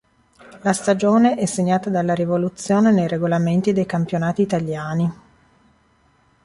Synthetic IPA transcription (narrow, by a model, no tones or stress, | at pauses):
last̪ad͡ʒoːneʔɛsːeɲːaːt̪ad̪alːaɾivolut̪sːjoːnenejreɡolament̪id̪ejkampjonaːt̪iːt̪aljaːni